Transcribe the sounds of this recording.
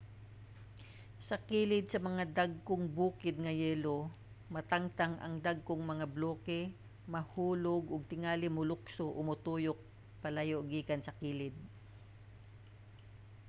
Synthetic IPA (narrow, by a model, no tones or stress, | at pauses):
sɐkiːlɪd̪̚sɐmɐŋad̪aɡ̚koŋbuːkɪd̪̚ŋɐjɛːlo | mɐt̪aŋt̪aŋʔɐ̰ŋd̪aɡ̚koŋmɐŋabloːkɛ | mɐhuːloɡoɡ̚t̪ɪŋaːlɪmʊlʊksoʔomʊt̪uːjok̚ | pɐlajoʔɡiːkɐnsɐkiːlɪd̪̚